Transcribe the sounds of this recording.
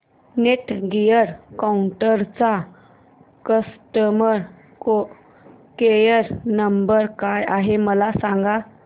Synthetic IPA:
neʈɡijəɾkauɳʈəɾt͡sa | kəsʈəməɾ | o | kejəɾnəmbəɾkajaɦeməlasãŋɡa

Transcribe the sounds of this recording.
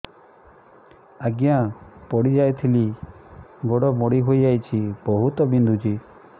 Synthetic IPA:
aɡjapɔɽid͡ʒajt̪ʰili | ɡoɽɔmoɽiɦojajt͡ʃʰibɔɦut̪ɔbind̪ʱud͡ʒi

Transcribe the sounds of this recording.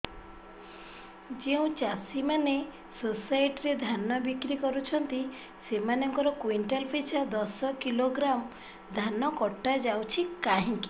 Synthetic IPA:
d͡ʒeũt͡ʃasimane | sosajʈiɾed̪ʱanɔbikɾikɔɾut͡ʃʰɔnt̪i | semanɔŋkɔɾɔkwiɳʈelpʰesɔd̪ɔsɔkiloɡɾam | d̪ʱanɔkɔʈːad͡ʒawt͡ʃʰikaɦĩŋki̥

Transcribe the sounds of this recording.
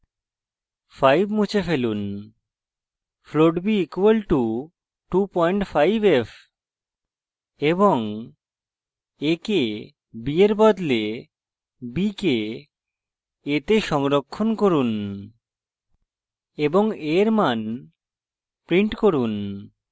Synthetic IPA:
fajbmut͡ɕʰefelun | floɖbiikuwalʈu | ʈupɔjɳʈfajbef | eboŋ | eke | bieɾbɔd̪le | bike | et̪eʃɔŋɾokʰːonkoɾun | eboŋeɾman | pɾiɳʈkoɾun

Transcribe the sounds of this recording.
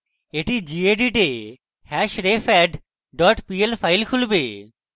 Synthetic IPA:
eʈid͡ʑieɖiʈe | hɛʃɾefɛɖ | ɖɔʈpielpʰajlkʰulbe

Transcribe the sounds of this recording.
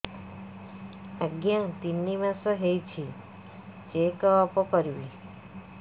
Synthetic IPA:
aɡjãt̪inːimasɔɦejt͡ʃʰi | d͡ʒekɔːpɔkɔɾibi

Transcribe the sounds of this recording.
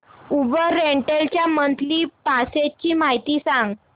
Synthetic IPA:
ubəːeɳʈelt͡ɕjamənt̪liːpaset͡ɕiːmaɦit̪iːsãŋɡ

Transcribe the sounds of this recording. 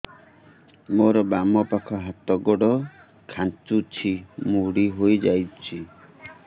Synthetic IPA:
moɾɔbamɔpakʰɔɦat̪ɔɡɔɽɔ | kʰant͡ʃut͡ʃʰimuɽiɦojd͡ʒajt͡ʃʰi

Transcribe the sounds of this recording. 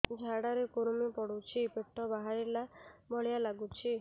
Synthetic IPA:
d͡ʒʱaɽaɾekuɾmipɔɽut͡ʃʰipeʈʰːɔbaɦaɾilabɔɭjalaɡut͡ʃʰi

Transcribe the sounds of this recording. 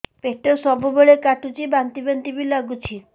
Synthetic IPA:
peʈesɔbubeɭekaʈut͡ʃibant̪ibent̪ibilaɡut͡ʃʰi

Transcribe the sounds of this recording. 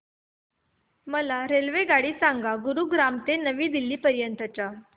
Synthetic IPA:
məlaɾelʋeɡaɽiːsaŋɡaɡuɾuɡɾamt̪enəʋiːd̪ilːiːpəɾjənt̪at͡ɕa

